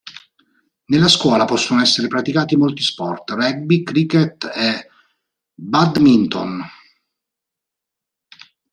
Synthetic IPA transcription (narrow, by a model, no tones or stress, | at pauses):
nelːaskwɔːlapɔsːonoɛsːeɾepɾat̪ikaːt̪imolt̪ispɔrt̪rɛɡ̚bikɾikːet̪ɛ | bad̪mint̪o̰n